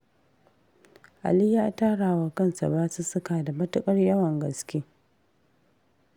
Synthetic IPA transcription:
ʔa̰˨li˦jaː˦˨taː˦ɽaː˨wa˨kɐ˦˨nsa̰˨baː˦su˦sʊ˦kaː˨da˨mɐ˦tʊ˦kʼɐ˦rjɐ˦wɐ˨ŋɡɐ˨skʲeː˦

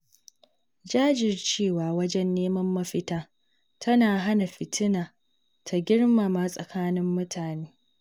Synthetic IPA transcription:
d͡ʒaː˦d͡ʒɪ˨rt͡ʃeː˦˨waː˨wɐ˦d͡ʒɛ˦nːeː˦mɐ˦mːɐ˦ɸɪ˦taː˦ | tʰɐ˦naː˨ɦa˦na˨ɸɪ˨tʰɪ˦naː˨ | tʰa˨ɡʲɪ˦ɽma˨maː˦sʼɐ˨kaː˦nɪ˦mːʊ˦tʰaː˨neː˦

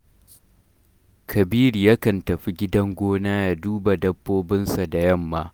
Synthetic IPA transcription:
kʰɐ˨biː˦ɾi˨ja˦kɐ˨ntɐ˨ɸi˦ɡʲɪ˦dɐ˦ŋɡʷoː˦naː˦ja˦duː˦ba˨dɐ˦bːoː˦bɪ˦nsa˨da˨jɐ˦˨mːaː˦

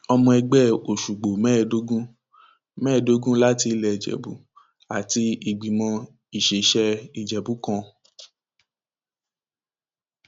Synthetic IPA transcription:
ɔ˧mɔ̃˧ɛ˧ɡ͡bɛ˦˨o˨ʃu˨ɡ͡bo˨mɛ̃˦˨do˦ɡũ˦ | mɛ̃ː˦˨do˦ɡũ˦la˦ti˧˦lɛ˨d͡ʒɛ̰˨bṵ˨˦ | a˨ti˧i˨ɡ͡bi˨mɔ̃˧ | i˨ʃe˨˦ʃɛ˧i˨d͡ʒɛ˨bu˨˦kã˧

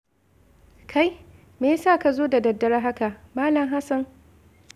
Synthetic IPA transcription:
kʰa˦j | meː˨˦saː˦˨ka˨zoː˦da˨dɐ˨dːɐ˦ɾa˦ɦa˦ka˨maː˦lɐ˨mɦa˦sɐ˨ŋ

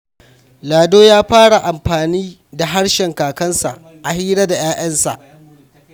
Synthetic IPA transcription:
laː˨doː˦jaː˦ɸaː˦ɽa˨ʔa˨mɸaː˨niː˦ | da˨ɦa˦ɽʃɛ˨ŋkaː˨kɐ˦nsa̰˨ | ʔa˨hiː˦ɽa˦da˨j̰aː˦ʔɐ˦nsa̰˨ʔ

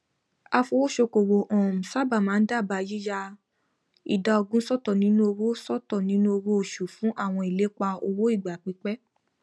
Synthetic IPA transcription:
a˧fo˧wo˦ʃo˧ko˨wo˨ʔɔ̃˨m̩˨sa˦ba˦˨mãː˨˦n̩˦da˦˨ba˧˨˧ji˦ja˦ | ḭ˨da˧o˧ɡũ˦sɔ˦tɔ˦˨nĩ˦nũ˦o˧wo˦sɔ˦˨tɔ˦˨nĩ˨˦nũ˦o˧wo˦o˨ʃu˨fũ˨˦ʔa˦˨w̃ɔ̃˧i˨le˨˦k͡pa˧o˧wo˦i˦˨ɡ͡ba˨k͡pi˨˦k͡pɛ˦

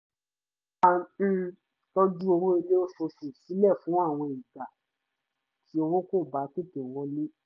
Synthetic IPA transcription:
ã˧˨˧ | to˦d͡ʒu˦o˧ɾõ˦i˧le˦o˦so˧su˨si˨˦lɛ˦˨fũ˨˦a˦˨w̃ɔ̃˧e˨i˨ta˨ | tʰi˨˦o˧ɾ̃ɔ̃˦ko˦˨ba˨˦te˦˨te˨w̃ɔ̃˨˦lĩ˦

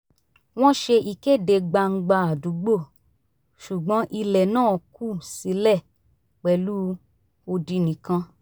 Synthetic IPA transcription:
w̃ɔ̃˦ʃe˧ʔi˨ke˦˨de˧ɡ͡ba˧ŋ̩˦ɡ͡ba˧a˨du˨˦ɡ͡bo˦˨ | ʃu˨ɡ͡bɔ̃˨˦ʔi˧lɛ˨nãː˦˨ku˦˨si˨˦lɛ˦˨ | k͡pɛ˨˦lu˦ | o˧di˧nĩ˨kã˧

